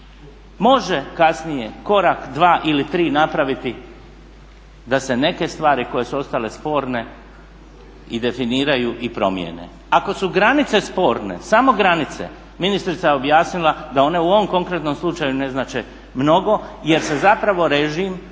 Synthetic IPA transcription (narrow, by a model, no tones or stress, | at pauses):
mo̞ʒe̞kasnije̞ko̞ɾakd̪ʋaːʔilit̪ɾiːnapɾaʋit̪i | d̪ase̞ne̞ke̞st̪ʋaːɾiko̞je̞suo̞st̪ale̞spo̞ːɾne̞ | id̪e̞finiːɾajuʔipɾo̞̰mjḛne̞̰ | ako̞suɡɾanit̪se̞spo̞ːɾne̞̰samo̞ɡɾanit̪se̞̰ | minist̪ɾit̪ajeo̞bjaːsnilˠad̪ao̞ne̞uo̞ʋomko̞ŋkɾe̞t̪no̞mslˠut͡ʃajune̞znaːt͡ʃe̞ | mno̞ɡo̞je̞ɾse̞zapɾaʋo̞ɾeʒim